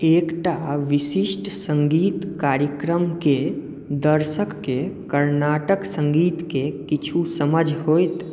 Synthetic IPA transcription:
eːkʈaʋɪʃɪʃʈsə̃ŋɡiːt̪kaːɾjəkɾəmke | d̪əɾʃəkːekəɾnaːʈəksə̃ŋɡiːt̪kekɪt͡ʃʰusəməd͡ʒʱɦoːjt̪

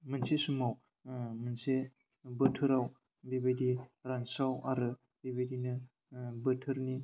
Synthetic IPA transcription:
mɯnsesumaw | mɯnse | bətʰɯɾaw | bebadiɾansawaɾɯ | bebedinɯ | bətʰɯɾni

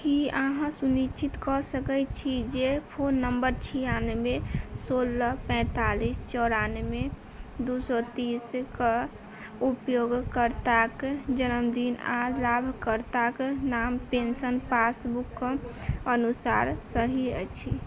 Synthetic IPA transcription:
kiaɦãsunit͡ʃit̪kɔsəkɛt͡ʃʰid͡ʒepʰonːəmbəɾt͡ʃʰijanmesoləpɛ̃ːt̪alist͡ʃɔɾanme | d̪usɔt̪iskə | upjoɡkəɾt̪akd͡ʒənəmd̪inalabʱkəɾt̪aknampensənpasbukː | ənusaɾsəɦiət͡ʃʰi

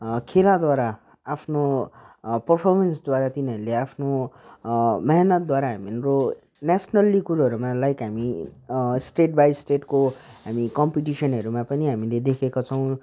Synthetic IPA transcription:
kʰelad̪waɾa | apʰno | pʌrpʰʌrmʌnsd̪waɾat̪inʌɾuleapʰno | mʌɦnʌt̪̚d̪waɾaɦaminɾo | nasnʌlikuɾaɦʌɾumãlajkɦami | sʈeʈ̚bajsʈeʈkoɦamikʌmpiʈisʌnɦʌɾumãpʌniɦamiled̪ekʰekot͡sʰʌw̃

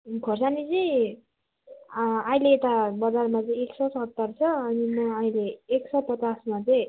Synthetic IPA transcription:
kʰʌrsanit͡sʌj̃ | aileːt̪abʌd͡zarmat͡sʌĩeksʌsɦʌt̪ːʌrt͡sʰʌʌnimʌʌĩleːksʌpʌt͡sasmat͡sʌj̃

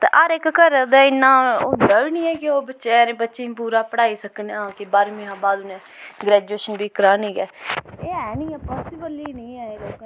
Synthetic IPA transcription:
t̪ḛːʔəɾɪkkəɾd̪ɛːɪnːãːʊnd̪aːʋiːnĩːɛːkɪoːbətːʃeɛɾẽːbətːʃẽːpuːɾaːpəɽaːiːsəkneːãːkɪbaːɾmĩːɦãːbaːd̪ʊnẽːɡɾɛːd͡ʒueːʃənbiːkəɾaːnĩːɡɛːeːɛːnĩːɛːpaːsɪbəlinẽːɛːeːloːk

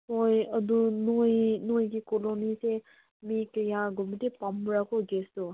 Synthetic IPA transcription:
mojɐdunojnojɡikɔlonise | mikɐjaɡɔmitepambɾakoɡestɔ

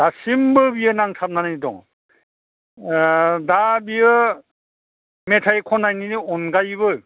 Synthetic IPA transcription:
d̥asimbɯbijɯnaŋtʰap̚nanadɔ̰ŋ | dabijɯ | metʰajkʰɔnajniniɔnɡajbɯ

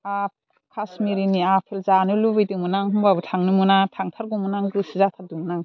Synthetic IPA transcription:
a | kʰasmiɾiniapʰelzanɯlubɯjdɯŋmunaŋɦɯmbabɯtʰaŋnɯmunatʰaŋtʰaɾɡumːunaŋɡusizatʰaɾ̚duŋnaŋ

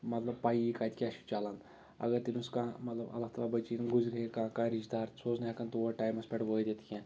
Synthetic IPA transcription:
mɐt̪lɐbpaːjikaːt̪ʲikʲaʃi̥t͡ʃaːlan | ɐ̰ɡɐɾt̪inuskãmɐt̪lɐbɐ̰lːat̪ɐlaːbɐt͡ʃiːnɡuzɾɐɦekãːkãːɾid͡ʒd̪aːɾsoːznakɐnt̪oʋoʈaːjmɐspʲɐʈʋoːjd̪et̪kʲẽː

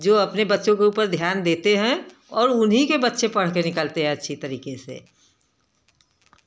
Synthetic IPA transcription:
d͡ʒoːɐpnebɐtːʃõkeuːpəɾd̪ʱjaːnd̪eːt̪eɦɛ̃ | ɔːɾʊnɦikebɐtːʃepɐɽ̤kenɪkəlt̪eɦɛ̃ɐtːʃʰit̪ɐɾiːkesḛː

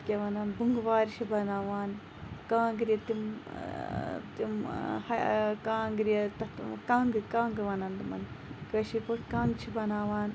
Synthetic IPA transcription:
kʲeʋɐnɐnbuŋɡʋaːɾʃʰibɐnaːʋaːn | kãːŋɡɾjɐt̪im | t̪imhɐkãːŋɡɾiɐt̪ɐt̪kaːŋɡkãːŋɡʋɐnɐnd̪mɐ̰nkɐʃipoʈkãːŋɡt͡ʃʰibɐnaːʋaːn

